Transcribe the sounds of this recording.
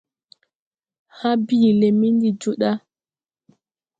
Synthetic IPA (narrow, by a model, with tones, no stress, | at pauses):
ha˦bi˦˨le˨mi˦ndi˨d͡ʒu˦ɗa˦